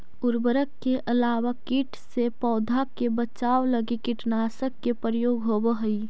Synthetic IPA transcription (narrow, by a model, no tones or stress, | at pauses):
ʊɾbəɾəkːeʔʔəlaːwakiʈʰsepɔːd̪ʱakebət͡ʃaːwləɡikɪʈnaːsəkːepɾəjoːɡɦobəɦəi